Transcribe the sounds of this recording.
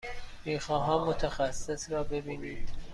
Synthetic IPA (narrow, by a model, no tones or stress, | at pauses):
miːxɒːɦɒːmːot̪ʰæxæsːe̞sɾɒːbe̞biːniːd̪̥